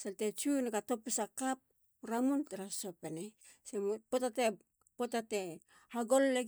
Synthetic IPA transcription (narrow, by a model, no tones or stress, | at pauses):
seltet͡ʃunekato̞pusakap̚ | ɾamuntaɾaso̞pene | sempotate | potate | haɡo̞lːe